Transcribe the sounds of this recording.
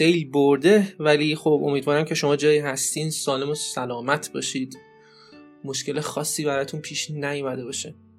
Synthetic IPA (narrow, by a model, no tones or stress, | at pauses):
xejlboɾd̪e̞vælixobo̞miːd̪vɒːɾæmcʰe̞ʃo̞mɒːd͡ʒɒːjiːɦæst̪insɒːle̞mosælɒːmæt̪ʰbɒːʃiːd̪ | mo̞ʃce̞lexɒːsːiːbæɾɒːjt̪ʰunpʰiːʃnæjumæd̪e̞bɒːʃe